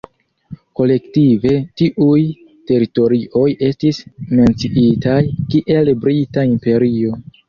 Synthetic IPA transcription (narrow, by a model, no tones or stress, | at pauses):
ko̞le̞ktive̞tiʔuj | te̞ɾito̞ɾiʔo̞je̞stisme̞nt͡siʔitajkiʔe̞lbɾitaimpe̞ɾio̞